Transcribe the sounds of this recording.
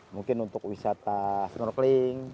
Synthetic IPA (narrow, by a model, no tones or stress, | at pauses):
muŋkɪnunt̪ʊkwisat̪asnɔrkliŋ